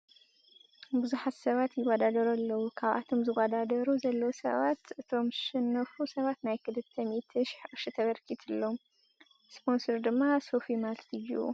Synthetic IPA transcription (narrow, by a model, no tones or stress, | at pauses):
bɨzuħat̪sɐβat̪jɪwɐd̪ad̪ɐɾalːɐwukʰaβʔa̰t̪ʰo̞mzɨwɐd̪ad̪ɐɾuzɐlːɐwsɐ̰βat̪ʔɨt̪ʰo̞mʃɪnːɐfusɐβat̪najkʰɨlɨt̪ʰːɐmit̪ʰɨʃħʔʼɨʃɨt̪ʰɐβɐɾkʰit̪ʰɨlːo̞m | spʰo̞nsoɾd̪ɨmːasofimalt̪ʰɨjṵ